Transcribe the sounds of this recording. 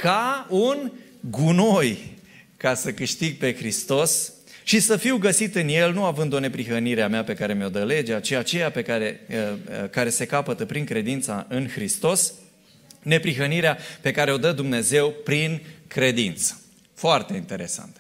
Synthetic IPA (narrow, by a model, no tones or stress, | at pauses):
kaun | ɡuno̞j | kasəkɨʃt̪iɡ̚pe̞xɾist̪o̞s | ʃisəfiwɡəsit̪ɨnje̞lnuavɨnd̪o̞ne̞pɾixəniɾeameape̞kaɾe̞meo̞d̪əle̞d͡ʒeat͡ʃiat͡ʃe̞jape̞kaɾeəkaɾe̞se̞kapət̪əpɾiŋkɾe̞d̪int̪saʔɨnxɾist̪o̞s | ne̞pɾiɦəniɾeape̞kaɾe̞o̞d̪əd̪umne̞ze̞wpɾinkɾe̞d̪int̪sə̥ | foart̪e̞int̪e̞ɾe̞sa̰nt̪ə